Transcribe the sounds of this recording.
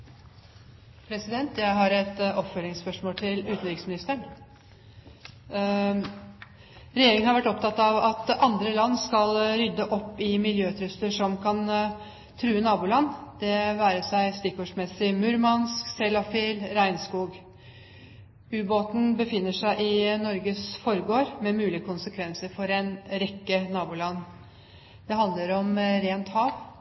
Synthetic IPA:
pʰɾɛsɪd̪ɛnt̪jæɪɦɑɾɛt̪ʔɔpfœlɪŋspœʂmoːlt̪ʰɪlʉːt̪n̩ɾɪksmɪnɪst̪əɳ | ɾɛjeːɾɪŋənhɑɾʋæʈːɔp̚t̪ʰɑt̪ɑʋɑt̪ɑnd̪ɾəlɑnːskɑlɾʏd̪ːəʔɔpːɪmɪljøːt̪ʰɾʉst̪əʂɔmkʰɑn | t̪ʰɾʉːənɑːbuːlɑnːd̪̥ɛʋæːɾəʂæɪst̪ɪkɔʂmɛsːɪmʉɾmɑnsksɛlɑfɪlɾæɪnskuːɡ | ʉːboːt̪n̩bəfɪnːəʂæɪʔɪnɔɾɡəsfɔɾəɡoːɾmɛmʉːlɪəkʰʊnsəkʰʋɛnsəɾfɔɾɛnɾɛkːənɑːbʊːlɑnː | d̪̥ɛɦɑnd̪ləɾɔmɾeːnt̪hɑːʋ

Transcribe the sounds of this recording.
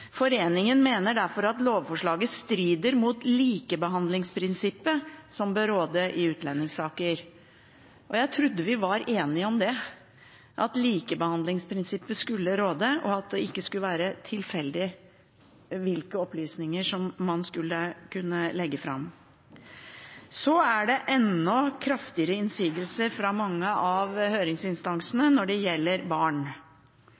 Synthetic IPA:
fɔɾeːnɪŋənmeːnəɖæɾfɔɾɑt̪loːʋfɔʂɭɑːɡəst̪ɾiːd̪əɾmuːt̪liːkəbəɦɑnd̪lɪŋspʰɾɪnsɪpːəsɔmbøɾoːd̪əʔɪʉːt̪lɛnːɪŋsɑːkəɾ | ʔɔjæɪt̪ʰɾʉd̪ːəʋɪʋɑɾʔeːnɪəɔmd̪ɛ | ʔɑt̪liːkəbəhɑnd̪lɪŋspʰɾɪnsɪpːəskʉlːəɾoːd̪əʔɔɑt̪̚d̪ɛɪkːəskʉləʋæːɾət̪ʰɪlfɛld̪ɪ | ʋɪlkəɔplyːsnɪŋəʂɔmːɑnskʉlːəkʰʉnːəlɛɡːəfɾɑ̰m | sɔæɖɛʔɛnːɔkʰɾɑft̪ɪəɾəɪnsyːɡəlsəɾfɾɑmɑŋːəʔɑʋhøːɾɪŋsɪnst̪ɑŋsnənɔɖɛjɛlːəɾbɑːɳ

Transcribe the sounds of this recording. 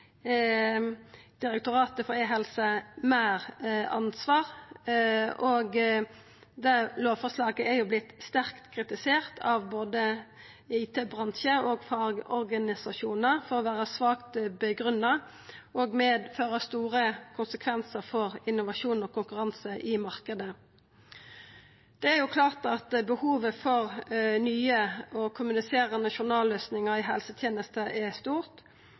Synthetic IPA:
d̪̥ɪɾɛkt̪ʊʁɑːt̪əfɔɾeːɦɛlsəmæːʁɑ̰nsʋɑːʁ | ɔɡ | d̪ɛloːʋfɔslɑːɡəæɾjʊblɪt̪st̪æʁkt̪kʰʁɪt̪ɪseːʁt̪ʰɑʋboːd̪ə | ɪːt̪ʰeːbʁɑnʃəɔɡfɑɡɔ̰ɾɡɑnɪsɑʂuːnəʁfɔʁɔʋæːʁəsʋɑːkt̪bəɡʁʉnːɑ | oːɡmeːd̪føːʁəst̪uːʁəkʰʊnsəkʰʋɛnsəʁfɔʁɪnʊʋɑʂuːnoːkʰʊŋkʉʁɑnsəʔɪmɑʁkəd̪ə | d̪̥ɛæɾjʊkʰlɑːʁt̪ɑt̪bəhuːʋəfɔʁnyːəɔkʰʊmʉnɪseːʁənɑʃʊnɑːløːsnɪŋəʁɪɦɛlsət̪ʰjeːnəst̪əʔɛst̪uːʁt̪

